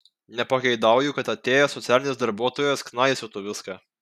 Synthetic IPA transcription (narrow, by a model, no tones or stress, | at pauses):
nʲɛpɐkʲɛɪd̪ɑˑʊjʊkɐt̪ɐt̪ʲeːjɛsɔt̪sʲæːlʲɪnʲeɛsd̪ɐɾbuɔt̪oːjɛsknɐɪsʲʊt̪ʊʋʲɪskɑː